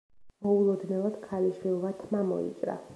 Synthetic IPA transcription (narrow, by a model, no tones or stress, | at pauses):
mɔulˠɔd̪nɛvad̪̥kʰaliʃwilˠvat̪ʰmamɔ̰ḭt͡ʃʼɾa̰